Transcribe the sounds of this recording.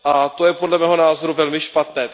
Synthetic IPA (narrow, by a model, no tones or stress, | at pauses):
ʔat̪o̞jɛpo̞dlɛmɛːɦo̞naːzo̞ɾuvɛlmɪʃpat̪nɛː